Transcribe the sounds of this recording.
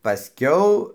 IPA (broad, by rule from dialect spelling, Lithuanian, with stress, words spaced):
pɐˈsʲkʲɛʊ